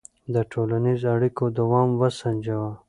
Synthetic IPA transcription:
d̪əʈʰoːlanizaɽikod̪ɐwɑːmwɐsɐnʲd͡ʒawa

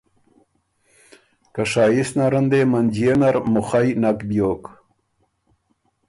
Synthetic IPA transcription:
kaʂaːjisnaɾənd̪emand͡ʑijenaɾmʊχajnakbjoːk

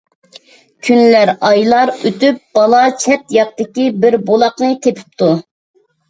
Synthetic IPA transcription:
kʲʰynlæɾɑjlˠɑɾøt̪yp̚b̥ɑlˠɑt͡ʃʰɛt̪jɑq̚t̪ɪkʲibɪɾbolˠɑqnɨt̪ʰepʰy̥p̚t̪ʰu

